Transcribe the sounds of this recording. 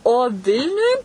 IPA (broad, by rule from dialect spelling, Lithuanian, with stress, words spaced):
oː ˈʋʲɪlʲnʲʊj